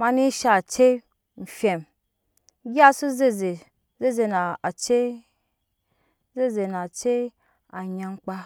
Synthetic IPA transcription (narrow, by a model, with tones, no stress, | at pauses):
ma˧ni˦ʃa˨t͡ʃe˦ | m̩˨fʲe˨m˦ | ɡʲi˦a˦su˦ze˦ze˨ | ze˦ze˧na˨t͡ʃe˦ | ze˦ze˨na˨t͡ʃe˦ | a˨ɲa˧m˦k͡pa˧